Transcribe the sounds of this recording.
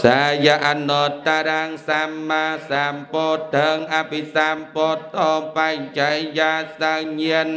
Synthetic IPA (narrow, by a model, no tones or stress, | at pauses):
sajaʔanɔt̪t̪ːaɾaŋsamːasampɔːt̪̚əŋʔapisampɔtːɔmpajjajjasaɲiən